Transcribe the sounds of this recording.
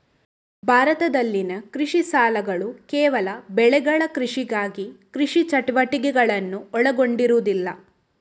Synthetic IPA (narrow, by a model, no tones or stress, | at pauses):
bʱaːɾɐt̪ɐd̪ɐlːinɐkɾiʂisaːlɐɡɐɭukɛːʋɐlɐbɛɭɛɡɐɭɐkɾiʂiɡaːɡikɾiʂit͡ʃɐʈɐʋɐʈiɡɛɡɐɭɐnːuɔɭɐɡo̞ɳɖiɾud̪ilːɐ̰